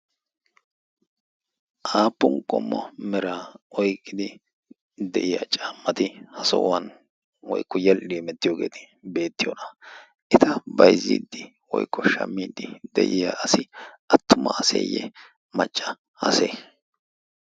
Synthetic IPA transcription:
ʔaːpːʊŋkʼɔmːɔmɛɾaːɔjkʼːɪd̪ɪ | d̪ɛʔɪjaːt͡ʃʼaːmːɐt̪ɪhɐsɔ̰ʔʊ̰wɐn | wɔjkːɔjɐliːmɛt̪ːɪjoːɡe̞̰ːt̪ɪ̥ | be̞ːt̪ːɪjonɐ | ʔɛt̪ɐbɐjzːḭːd̪ːɪ | wɔ̰jkːɔʃɐ̰mːiːd̪ɪd̪ɛ̰ʔɪjaːɐsɪʔɐt̪ːʊmɐ̰ʔɐsḛːjːɛ̰ | mɐt͡ʃʼːɐ | ɐseː

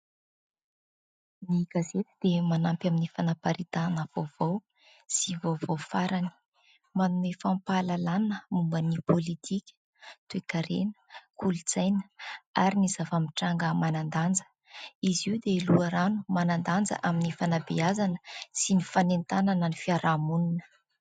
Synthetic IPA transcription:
niɡ̥azet̪id̪̥emanampjaminifanapaɾit̪anəv̥ovow | sivovowfaɾani̥ | manuefampalalanəmumbənipolit̪ʰikʲə̥ | t̪uekaɾenə̥kʰulit͡sajnə̥aɾiniz̥avamiʈ͡ʂaŋɡəmanand̪and͡zə̥ | iziud̪eluaɾanumanand̪and͡zə̰ʔaminifanabeazanə̥sinifanent̪ananənifiaɾamuninə̥

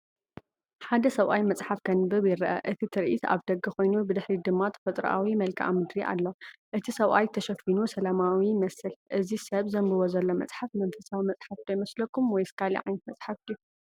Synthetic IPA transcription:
ħad̪ɐsɐwʔajmɐt͡sʼħafkʰɐnɨbɨβjɪɾɐʔɐ̰ʔɨt̪ʰit̪ʰɨɾʔit̪ʰa̰βd̪ɐɡːɨxo̞jnubɨd̪ɨħɾid̪ɨmːat̪ʰɐ̥fɐt̪ʼɾ̰ʔa̰wimɐlkʰiʔa̰mɨd̪ɾiʔa̰lːoʔɨt̪ʰisɐwʔajt̪ʰɐʃɐfinusɐlamawimɐsɨlʔɨzisɐβzɐmbɨβozɐlːo̞mɐt͡sʼħafmɐnfɐsawimɐt͡sʼħafd̪ɐjmɐslɐkːumwɔjskʰalḭʕa̰jnɐt̪̚mɐt͡sʼħafjːu

